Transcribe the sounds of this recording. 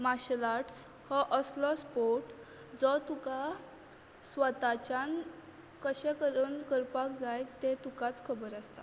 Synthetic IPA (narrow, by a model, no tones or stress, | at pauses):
maɕlaʈs | hɔʔəslɔspoɾʈ | d͡zɔt̪uka | sʋət̪at͡ɕan | kəɕɛ̃kəɾənkəɾpakd͡zajkt̪et̪ukat͡skʰəbəɾast̪a̰